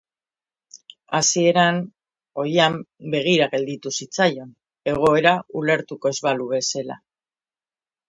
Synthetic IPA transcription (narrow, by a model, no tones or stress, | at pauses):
asie̞ɾan | o̞ɾiambe̞ɣ̞iɾaɣe̞ld̪it̪usit͡sajo̞n | e̞ɣ̞o̞e̞ɾaule̞ɾt̪uko̞e̞zβaluβe̞sela̰